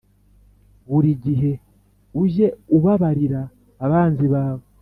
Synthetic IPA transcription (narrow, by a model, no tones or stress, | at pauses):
βuɾiɟiɦe̞ | uʒe̞uβaβaɾiɾaː | βaːnziβaːβo